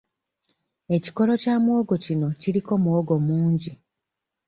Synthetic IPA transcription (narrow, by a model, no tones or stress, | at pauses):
e̞ci̥ko̞lo̞caːmwoɡo̞cino̞ciɾiko̞mwoɡo̞muːɲɟi